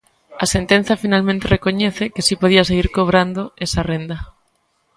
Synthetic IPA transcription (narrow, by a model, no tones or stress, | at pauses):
ɐsent̪ẽn̟θafinalmẽnt̪erekoɲeθekesipoðias̬eɣiɾkoβ̞ɾand̪oesarend̪ɐ